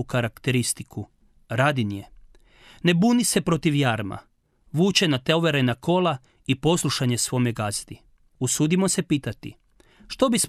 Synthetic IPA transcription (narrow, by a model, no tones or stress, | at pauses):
ukaɾakt̪eɾist̪ikʰu | ɾaːd̪inje | ne̞buːnise̞pɾo̞t̪iʋjaːɾma̰ | ʋuːt͡ʃe̞nat̪eoʋe̞ɾenakʰo̞la | ipo̞slˠuʃaɲe̞sʋo̞meɡazd̪i | usuːd̪imo̞se̞piːt̪at̪ḭ | ʃt̪o̞bism